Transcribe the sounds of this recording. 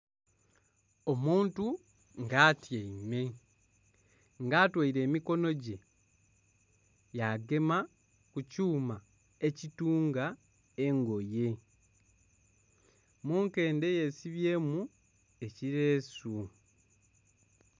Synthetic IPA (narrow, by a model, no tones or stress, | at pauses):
o̞muːntu | ŋɡaːtjeime̞ | ŋɡaːtwaiɾe̞ːmiko̞no̞ɟe̞ | jaɡe̞ma | kucuːma | e̞cituːŋɡa | e̞ŋɡo̞je̞ | muːŋke̞ːnde̞je̞siβje̞ːmu | e̞ciɾe̞ːsu